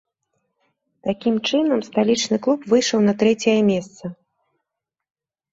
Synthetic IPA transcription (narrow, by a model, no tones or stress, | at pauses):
t̪akʲimt͡ʂɨnɐmst̪alʲit͡ʂnɨklˠupvɨjʂɐwnɐt̪ɾɛt͡sʲɛjɐmʲɛst̪sɐ